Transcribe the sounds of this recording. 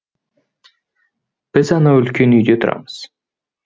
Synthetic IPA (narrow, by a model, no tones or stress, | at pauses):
b̥ɪzɑnɑɵlkʲønyjd̪øt̪ʰʊɾɑ̰məz̥